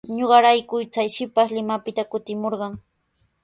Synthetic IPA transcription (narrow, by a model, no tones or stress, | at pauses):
ɲoɢɑɾajkʊjt͡sajʃɪpaʃlɪmapɪt̪akʊt̪ɪmoɾɢɑŋ